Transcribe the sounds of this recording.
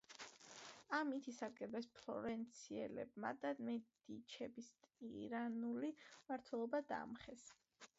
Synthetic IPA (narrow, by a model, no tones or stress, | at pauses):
amit̪ʰisaɾɡʼɛbɛspʰlˠɔ̰ɾɛnt̪sʰiɛlɛ̰bma̰d̪amɛd̪̥it͡ʃʰɛbist̪ʼiɾanulimaɾt̪ʰwɛlˠɔbad̪a̰ːmχɛs